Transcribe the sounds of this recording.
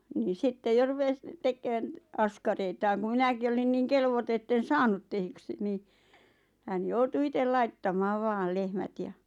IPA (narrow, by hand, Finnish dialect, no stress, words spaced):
niː sitːe jo rupes tekːøːn ɑskɑreitɑːŋ ku minæki olin niːŋ kelʋoto etːen sɑːnut tehyksi niː hæn joutu itel lɑitːɑmɑːʋ̆ ʋɑːl lehmæt j̆ɑ